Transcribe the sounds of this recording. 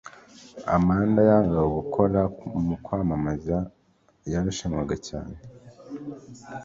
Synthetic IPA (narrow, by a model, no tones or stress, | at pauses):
a̰maːndajaːŋɡawoɡukʰo̞ɾamukwaːmamaza | jaɾaʃaɲwaɡaca̰ːne